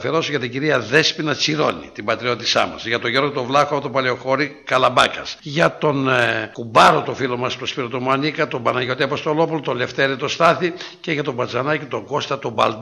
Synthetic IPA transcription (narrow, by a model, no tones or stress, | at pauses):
feɾo̞soʝɐt̪iɟiɾiɐðe̞spinɐt͡siɾo̞̰nḭt̪ibɐt̪ɾio̞t̪isɐ̰mɐ̰zʝɐt̪oʝeɾɣot̪ovlɐxoɐpot̪opɐleoxo̞ɾikɐlɐbɐ̰kɐsʝɐt̪o̞nkubɐɾo̞t̪ofilomɐspt̪ospiɾot̪omuɐnikɐt̪o̞bɐnɐʝo̞t̪iɐpo̞st̪o̞lo̞pulot̪ole̞ft̪eɾit̪o̞st̪ɐθice̞ʝɐt̪o̞bɐd͡zɐnɐcit̪o̞ŋɡo̞st̪ɐt̪obɐ̰ld̪